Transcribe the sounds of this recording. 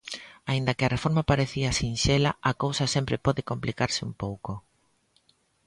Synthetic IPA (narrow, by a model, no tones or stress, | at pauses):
aind̪ɐkɪɐrefoɾmapaɾeθiasinʃelaakowsɐsempɾɪpɔðɪkomplikaɾsɪṵmpowko